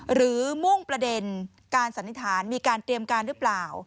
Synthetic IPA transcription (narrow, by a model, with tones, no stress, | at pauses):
ɾɯː˩˦mu˥˩ŋpɾa˧de˧n | kaː˧nsa˩˦nʰi˧˩t̪ʰaː˩˦nmiː˧kaː˧nt̪ɾi˧əmkaː˧nɾɯː˦˥plaː˨˩w